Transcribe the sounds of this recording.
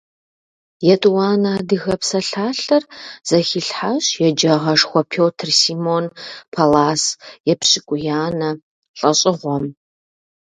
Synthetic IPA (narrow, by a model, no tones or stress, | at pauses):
jɛtʼwaːnaːdɨxɐpsɐɬaːɬɐrz̥ɐxɪɬħaɕjɛd͡ʒɐʁɐʂxʷɔpʰoːtʰrsiːmonpʰalaːsjɛpɕʼɪkʷʼʊjaːnɐ | ɬʼɐɕʼɪʁʷɔm